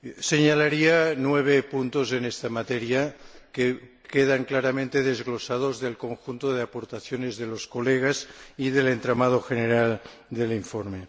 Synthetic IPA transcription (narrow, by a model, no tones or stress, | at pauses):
seɲalaɾianweβ̞epunt̪ozenest̪amat̪eɾjake | keðaŋklaɾamẽnt̪eðezɣlosað̞ozðelkoŋxunt̪oð̞eapoɾt̪aθjonezðeloskoleɣ̞aziðelent̪ɾamað̞oxeneɾald̪eliɱfoɾme